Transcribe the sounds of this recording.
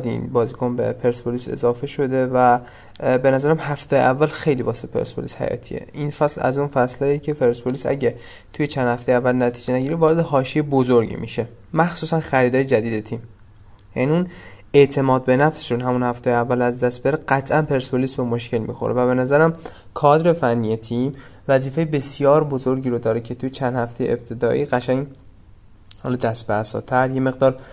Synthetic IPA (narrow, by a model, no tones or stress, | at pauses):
d̪ḭnbɒːzikʰonbḛpʰeɾsbolise̞̰zɒːfe̞ʃo̞d̪e̞væ | be̞næzæɾæmhæft̪ʰejeʔævːælxe̞jliːvɒːseepʰe̞̰ɾsbolishæ̰jɒ̰ːt̪ʰiḛʔinfæslæ̰zunfæslɒjicʰe̞pʰeɾsbolisæ̰ɟe | t̪ʰujet͡ʃʰænd̪hæft̪ejævːælnæt̪ʰiːd͡ʒenæɟiːɾivɒːɾed̪ehɒːʃiebozoɾɟḭmḭʃe̞ | mæxsuːsænxæɾiːd̪ɒːjed͡ʒæd̪iːd̪et̪ʰim | jæniune̞t̪ʰe̞mɒːd̪̚be̞næfse̥ʃunɦæmunhæft̪ejeævːælæzd̪æst̪̚beɾeɢæt̪ʰʔænpʰe̞ɾsbolisomo̞ʃkcʰe̞lmḭxo̰ɾʔevæβe̞næzæɾæm | kʰɒːd̪ɾe̞fænːije̞t̪ʰim | væziːfejebe̞sjɒːɾbo̞zo̞ɾɟiːɾod̪ɒːɾecʰe̞t̪ʰujet͡ʃʰænd̪hæft̪e̞jḛʔḛp̚t̪ʰe̞d̪ɒːʔiːɢæʃæŋ | hɒ̰ːlɒd̪æst̪̚besɒ̰ːt̪ʰæɾje̞me̞ɣd̪ɒːɾ